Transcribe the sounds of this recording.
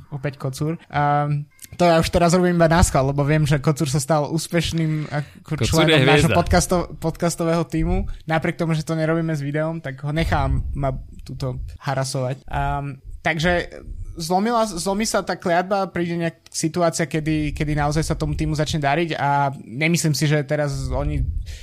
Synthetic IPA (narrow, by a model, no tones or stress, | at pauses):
ɔpɛckɔt͡suɾ | t̪ɔjauʃt̪ɛɾazɾɔbimibanaskallɛbɔʋɪɛmʒɛkɔt͡suɾs̬ast̪alʔuːspɛʃniːmakɔt͡ʃlɛɔmaːʒɦɔpɔt̪kast̪ɔpɔt̪kast̪ɔʋɛːɦɔt̪iːmunapɾɪɛk̚t̪ɔmuʒɛt̪ɔɲɛɾɔbiːmɛzʋid̪ɛɔmt̪aɡɦɔɲɛxaːʋamːat̪uːt̪ɔhaɾasɔʋacː | t̪aɡʒɛzlɔmilazlɔmisat̪aːklɪad̪̚bapɾiːɟɛɲɛak̚sit̪uaːt͡siakɛd̪ikɛd̪inaɔzajsat̪ɔmut̪iːmuzat͡ʃɲɛd̪aɾiɟaɲɛmisliːmsiʒɛt̪ɛɾazɔɲi